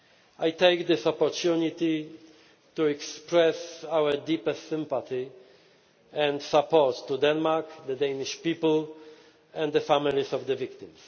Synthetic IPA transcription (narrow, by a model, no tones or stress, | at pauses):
ʔajt̪ejkd̪ɪsɔpɔɾt̪junit̪i | t̪uɛkspɾɛsawɛd̪ipɛstsɪ̃mpat̪i | ɛ̃nd̪sapɔɾt̪ːud̪ɛnmaɹkd̪ɛd̪ɛjniʃpipl̩ | ɛ̃nd̪d̪ɛfamilisɔvd̪ɛvikt̪ɪ̃ms